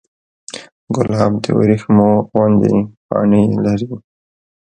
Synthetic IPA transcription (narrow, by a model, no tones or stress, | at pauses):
ɡʊlɑːbd̪əwa̰ɾixmowand̪ḭpɑ̰ːnilaɾi